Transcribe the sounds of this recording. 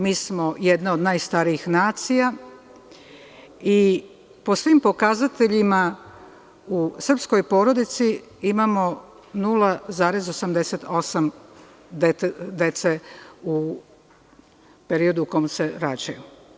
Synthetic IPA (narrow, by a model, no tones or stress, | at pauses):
miːsmo̞je̞d̪naod̪naːjst̪aɾiixnaːt̪sija | i | po̞sʋimpo̞kazat̪e̞ʎima | usr̩psko̞jpo̞ːɾo̞d̪it̪si | imamo̞ | nuːlazaːɾe̞zo̞samd̪e̞set̪ʰo̞sam | d̪ed̪e̞t̪seu | pe̞ɾio̞d̪uko̞mse̞ɾat͡ɕaju